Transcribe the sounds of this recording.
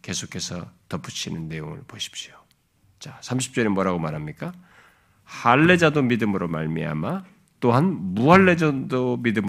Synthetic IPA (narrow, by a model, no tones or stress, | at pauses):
ke̞sʰokʰe̞sʰʌ̰tʌp͈ʰːut͡ɕʰinɯnːe̞joŋɯ̰ɭpoɕʰi̥p̚ɕio | t͡ɕasʰamɕ̬ʰi̥p̚t͡ɕ͈ʌɾemwʌɾɦaɡomaɾɦamɲik͈a | haɭːe̞d͡ʑadomidɯmɯɾomaɭmia̰ma | t͈oɦanmuɦaɭːe̞d͡ʑʌdomidɯm